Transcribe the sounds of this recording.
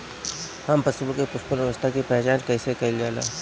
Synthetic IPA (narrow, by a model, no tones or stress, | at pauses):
hɐmpɐsulõkepʊspʊlʋəʋəst̪ʰakipɛɦt͡ʃaːnkɛːsekɐild͡ʒaːla̰ː